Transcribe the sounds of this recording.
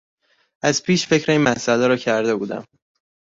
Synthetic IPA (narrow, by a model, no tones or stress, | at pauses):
ʔæzpʰiːʃfe̞cɾeiːnmæsælɛːɾɒːcʰæɾd̪e̞buːd̪æ̰m